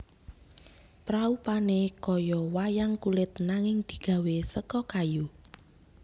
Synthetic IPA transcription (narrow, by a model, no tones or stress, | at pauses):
pɾaupanekɔjɔwajaŋkulɪt̪̚naŋɪŋd̪̥i̤ɡ̥ä̤wesəkɔkaju